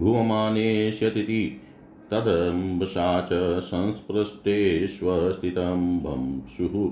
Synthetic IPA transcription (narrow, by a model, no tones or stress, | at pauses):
bʱuʋɐmaːneːʃjɐt̪it̪i | t̪ɐd̪ɐmbɐʃaːt͡ʃɐsɐ̃nspɾɐst̪eːsʋɐɦɐst̪ʰit̪ɐmbʱɐ̰msuɦu